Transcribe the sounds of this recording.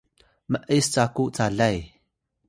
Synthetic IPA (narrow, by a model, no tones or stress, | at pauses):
məʔist͡sakuʔt͡saɮaj